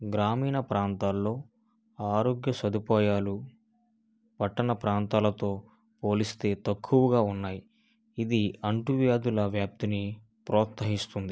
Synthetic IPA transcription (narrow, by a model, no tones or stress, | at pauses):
ɡɾaːmiːnɐpɾaːnt̪aːlːo̞ː | aːɾo̞ːɡjɐsɐd̪upaːjaːlu | pɐʈːɐnɐpɾaːnt̪aːlɐt̪o̞ː | po̞ːlist̪e̞ːt̪ɐkʰːuʋɐɡaːunːaːji | id̪iɐɳʈuʋjaːd̪ulɐʋjaːp̚t̪ini | pɾɔːt̪sɐɦist̪und̪i